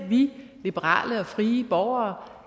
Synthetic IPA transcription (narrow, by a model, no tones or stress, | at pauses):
ʋilib̥əʁɑ̰̈ːləɒ̽fʁiːəb̥ɒʊɐː